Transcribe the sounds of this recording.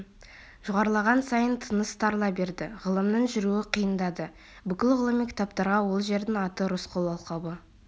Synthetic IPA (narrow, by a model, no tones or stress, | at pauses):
ʒ̥ʊʁɑɾəlˠɑʁɑnsɑjənt̪ʰənəst̪ʰɑɾlˠɑbe̞ɾd̪ɪʁəlˠəmnəɴʒʏɾuɪqʰəjənd̪ɑd̪ə | bʏkʲɪlʲʁəlˠəmikʲʰɪ̥t̪ap̚t̪ɑɾʁɑwo̞lˠʒe̞ɾd̪ɪŋɑt̪əɾosqʰo̞lˠɑlˠqɑwə